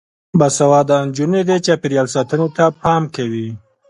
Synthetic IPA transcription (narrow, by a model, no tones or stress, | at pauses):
basawɑd̪and͡ʒuned̪et͡ʃapeɾjɑlsɑt̪ənet̪apɑmkawi